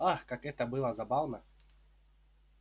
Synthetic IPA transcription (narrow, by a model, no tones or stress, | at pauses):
axkakɛt̪əbɨlˠɐzabavnɐ